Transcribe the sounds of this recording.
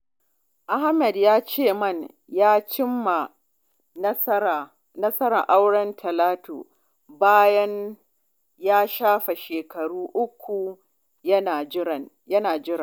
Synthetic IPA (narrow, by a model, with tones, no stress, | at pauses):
ʔa˦ha˦mɛ˨djaː˦t͡ʃeː˦˨mɐ˦˨ɲ | jaː˦t͡ʃɪ˦mːa˨˦˨ | nɐ˦sɐ˦ɾa̰˨ʔa˦wɽɐ˦ntʰɐ˨laː˦to̰ː˨ | baː˦jɐ˦ɲ | jaː˦ʃaː˦ɸa˨ʃeː˨kɐ˨ɽuː˦ʔʊ˦kʷːu˨ | jɐ˦na˨˦˨ | jɐ˦naː˨d͡ʒɪ˦ɾɐ˨